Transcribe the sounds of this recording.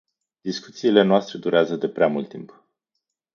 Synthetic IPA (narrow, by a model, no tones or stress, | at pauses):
d̪isku̥t̪siːle̞noast̪ɾe̞d̪uɾeazəd̪e̞pɾeamult̪ːimp